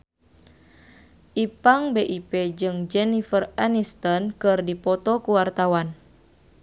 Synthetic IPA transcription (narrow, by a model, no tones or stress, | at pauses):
ʔipaŋbeʔipɛd͡ʒɨŋd͡ʒɛnifəranist̪ɔnkɨrdipɔt̪ɔkuwart̪awan